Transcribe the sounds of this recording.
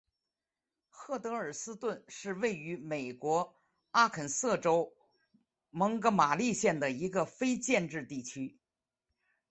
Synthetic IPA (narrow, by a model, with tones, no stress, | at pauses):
xɤ˥˩t̪ɤ˧˥ə˞˨˩sɹ̩˥t̪wə˥˧nʂɻ̩˥˧we˥˩ɪy˧˥me˨˩ɪkwɔ˧˥ | a˥kʰə˨˩nsɤ˥˩ʈ͡ʂo˥ʊ | mɤ˧˥ŋkɤ˧˥ma˨˩li˥˧ɕjɛ˥˩nd̪ə˩i˧˥ɡə˧fe˥ɪt͡ɕjɛ˥˧nʈ͡ʂɻ̩˥˧t̪i˥˩t͡ɕʰy˥